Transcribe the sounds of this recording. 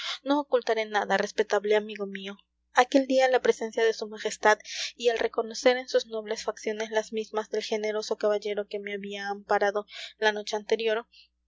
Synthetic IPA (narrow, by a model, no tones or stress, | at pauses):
no̞ːkult̪aɾe̞naðarespe̞t̪aβleamiɣo̞mio̞ | ake̞ld̪ialapɾese̞nsjaðe̞sumaxe̞st̪aðialre̞ko̞no̞se̞ɾe̞nsuzno̞βle̞sfaksjo̞ne̞slazmizmazðelxe̞ne̞ɾo̞so̞kaβaʝe̞ɾo̞ke̞meaβiaːmpaɾaðo̞lano̞t͡ʃe̞ant̪e̞ɾjo̞ɾ